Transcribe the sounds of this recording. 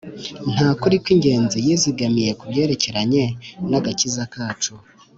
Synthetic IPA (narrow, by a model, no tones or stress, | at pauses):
n̥haːkuɾikwiŋɟe̞ːnzijiziɡamije̞kubje̞ːɾe̞ce̞ɾaɲe̞naɡacizakaːt͡ʃo